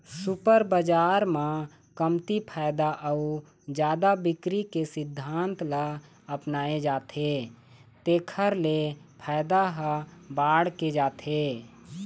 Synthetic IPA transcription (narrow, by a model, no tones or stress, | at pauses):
supəɾbəd͡ʒaːɾmã | kəmt̪ipʰaːjd̪aʔəu | d͡ʒjaːd̪abɪkɾikesɪd̪ʱːaːnt̪la | əpnaːed͡ʒaːt̪ʰe | t̪eːkʰəɾlepʰaːɪd̪aɦəbaːɽked͡ʒaːt̪ʰe